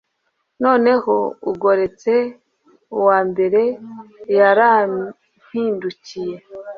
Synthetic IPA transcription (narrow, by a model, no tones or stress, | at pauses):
no̞ːne̞ho̞ṵɡo̞ɾe̞t͡se̞ | uwaːmbe̞ɾe̞jaɾa | n̥hiːnducije̞